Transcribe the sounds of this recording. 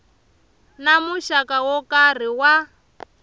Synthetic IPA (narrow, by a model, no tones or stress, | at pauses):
namuʃakawɔkar̤iwa